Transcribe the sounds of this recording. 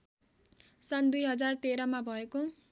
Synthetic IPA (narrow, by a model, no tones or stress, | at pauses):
sʌnd̪ujɦʌd͡zart̪eɾʌmabʱʌeko